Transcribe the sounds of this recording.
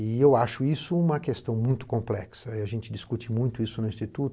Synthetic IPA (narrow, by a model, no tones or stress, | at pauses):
ɪewaʃʊisʊũmɐkest̪ɐ̃w̃mũj̃t̪ʊ̥kõmplɛksɐɪaʒẽnt͡ʃɪd̪iskut͡ʃimũj̃t̪ʊisʊnʊĩst͡ʃit̪ut̪ʊ